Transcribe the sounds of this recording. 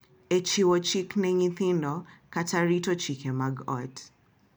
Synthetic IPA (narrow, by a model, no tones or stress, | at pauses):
ɛt͡ʃiwɔt͡ʃiknɛɲiθindɔkatʰaɾitɔt͡ʃikɛmaɡɔt